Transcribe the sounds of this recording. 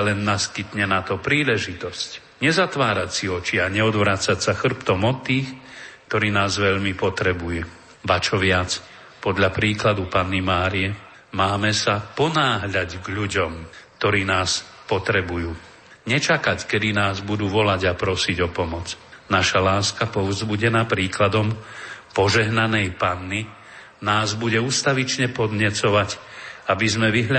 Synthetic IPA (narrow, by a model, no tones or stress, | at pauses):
lɛnːaskit̪ɲɛnat̪ɔpɾiːlɛʒit̪ɔsc | ɲɛzat̪ʋaːɾacsiɔt͡ʃiaɲɛɔd̪ʋɾaːt͡sacsaxr̩pt̪ɔmɔt̪ːiːxkt̪ɔɾiːnaːzʋɛʎmipɔt̪ɾɛbujɛ | bat͡ʃɔʋɪat͡s | pɔd̪ʎapɾiːklad̪upanːimaːɾiɛ | maːmɛsapɔnaːɦʎaɟɡʎuɟɔmkt̪ɔɾiːnaːs | pɔt̪ɾɛbujuː | ɲɛt͡ʃakackɛd̪inaːzbud̪uːʋɔlaɟapɾɔsiɟɔpɔmɔt͡snaʃalaːskapɔʋzbuɟɛnapɾiːklad̪ɔmpɔʒɛɦnanɛjpanːi | naːzbuɟɛuːst̪aʋit͡ʃɲɛpɔd̪ɲɛt͡sɔʋac | abizmɛʋiɦʎa